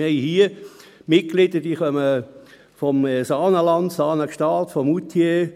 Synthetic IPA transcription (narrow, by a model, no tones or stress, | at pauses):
ɛɪhiəmɪt̚klɪdəd̥iːχœmə | fɔmsɑːnəlɑndsɑːnəkʃtɑːltfɔmut̪ʰje